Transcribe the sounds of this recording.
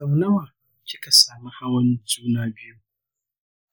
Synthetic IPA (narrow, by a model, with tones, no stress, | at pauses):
ɐ˨wnɐ˦waː˨ | kʲɪ˦ka˨saː˨mu˦ha˦wɐ˦nzuː˦naː˦bɪ˦ju˦